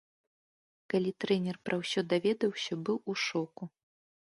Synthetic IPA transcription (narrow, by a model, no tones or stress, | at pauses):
kalʲit̪ɾɛnʲɛrpɾʔɐwsʲɔd̪avʲɛd̪ɐwsʲɐbɨwuʂɔku